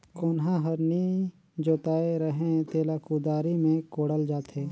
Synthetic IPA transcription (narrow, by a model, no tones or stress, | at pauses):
koːnɦãɦəɾni | d͡ʒoːt̪aːeɾəɦẽt̪eːlakuːd̪aːɾimẽkoːɽəld͡ʒaːt̪ɦeː